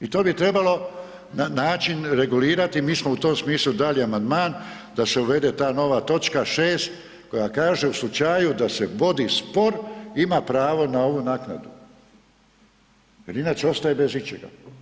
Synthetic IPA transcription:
it̪o̞ːbit̪ɾe̞balo̞ | nanaːt͡ʃinɾe̞ɡuliːɾat̪imiːsmout̪o̞ːmsmiːslud̪aliamand̪maːn | d̪ase̞uʋe̞d̪e̞t̪aːno̞ʋat̪o̞t͡ʃkaʃeːst̪ | ko̞jakaːʒe̞uslˠut͡ʃajud̪ase̞ʋo̞d̪ispo̞ɾimapɾaːʋo̞nao̞ʋunaːkna̰d̪u | jeɾinaːt͡ʃeo̞st̪ajebezit͡ʃḛɡa̰

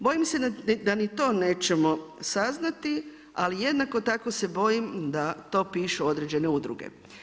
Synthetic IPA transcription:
bo̞jimse̞d̪anit̪o̞ːne̞ːt͡ʃe̞mo̞saznat̪i | alije̞d̪nakot̪ako̞se̞bo̞jimd̪at̪o̞ːpiːʃuo̞d̪ɾed͡ʑe̞ne̞ud̪ɾṵɡḛ

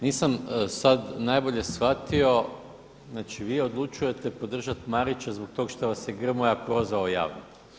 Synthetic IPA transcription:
niːsamsad̪najbo̞ʎe̞sxʋat̪io̞ | znaːt͡ʃiʋiːo̞d̪lˠut͡ʃuje̞t̪e̞po̞d̪r̩ʒat̪maɾit͡ʃazbo̞k̚t̪o̞ɡʃt̪oʋasjeɡr̩mojapɾo̞zʋaoja̰ːʋno

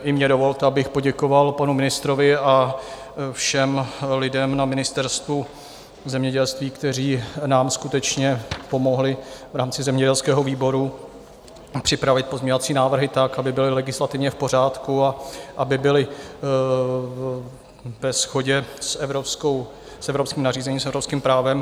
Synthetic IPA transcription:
ʔɪmɲɛdo̞vo̞lt̪ɛabɪxpo̞ɟɛko̞valpanumɪnɪst̪ɾovɪa | fʃɛmlɪdɛmnamɪnɪst̪ɛɾst̪vu | zɛmɲɛɟɛlst̪viːkt̪ɛriːnaːmskut̪ɛt͡ʃɲɛpo̞mo̞ɦlɪvɾaːmt͡sɪzɛmɲɛɟɛlskɛːɦo̞viːbo̞ɾu | pr̥ɪpɾavɪt̪̚pozmɲɛɲovat͡siːnaːvr̩ɦɪt̪akabɪbɪlɪlɛɡɪslat̪ɪvɲɛfpor̝aːt̪kuaʔabɪbɪlɪ | vɛsxo̞ɟɛsɛvɾoskow | sɛvɾopskiːmnariːzɛɲiːmsɛvɾopskiːmpɾaːvɛm

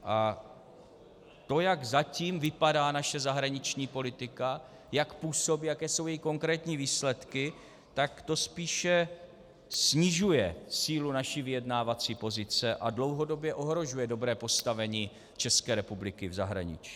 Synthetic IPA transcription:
ʔa | t̪o̞jaɡzaciːmvɪpadaːnaʃɛzaɦɾaɲɪt͡ʃɲiːpo̞lɪt̪ɪka | jakpuːso̞biːjakɛːso̞wjɛjiko̞ŋkɾɛːt̪ɲiːviːslɛt̪kɪ | t̪akt̪o̞spiːʃɛ | sɲɪʒujɛsiːlunaʃiːvɪjɛdnaːvat͡siːpo̞zɪt͡sɛʔadlo̞wɦo̞do̞bjɛʔo̞ɦɾo̞ʒujɛdo̞bɾɛːpo̞st̪avɛɲiː | t͡ʃɛskɛːɾɛpublɪkɪvza̰ɦɾa̰ɲɪ̰t͡ʃi̥

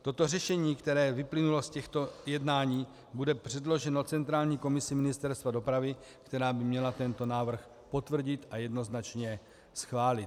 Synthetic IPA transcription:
t̪o̞t̪o̞rɛʃɛɲiːkt̪ɛɾɛːvɪplɪnulo̞scɛxt̪o̞jɛdnaːɲiː | budɛpr̝̥ɛdlo̞ʒɛno̞t͡sɛnt̪ɾaːlɲiːko̞mɪsɪmɪnɪst̪ɛɾst̪vado̞pɾavɪ | kt̪ɛɾaːbɪmɲɛlat̪ɛnt̪o̞naːvr̩x | po̞t̪vr̩ɟɪt̪ʔajɛdno̞znat͡ʃɲɛ | sxvaːlɪt̪

